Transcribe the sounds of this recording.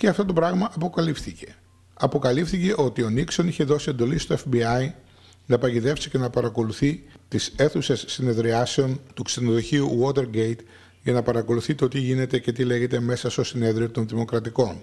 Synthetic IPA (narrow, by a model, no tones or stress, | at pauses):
ceɐft̪o̞t̪o̞pɾɐɣmɐʔɐpo̞kɐlifθice̞ | ɐpo̞kɐlifθice̞ʔo̞t̪io̞nikso̞niçe̞ðo̞sie̞nd̪o̞list̪o̞efbiɐi | nɐpɐɟiðe̞fsi̥ce̞nɐpɐɾɐko̞luθit̪ise̞θuse̞sːine̞ðɾiɐseo̞nt̪uksenoðo̞çiuɣo̞t̪e̞ɾɡe̞jt̪ | ʝɐnɐpɐɾɐko̞luθit̪ot̪iʝine̞t̪e̞ce̞t̪ile̞ʝe̞t̪e̞me̞sɐst̪o̞sine̞ðɾio̞t̪o̞nðimo̞kɾɐt̪iko̞n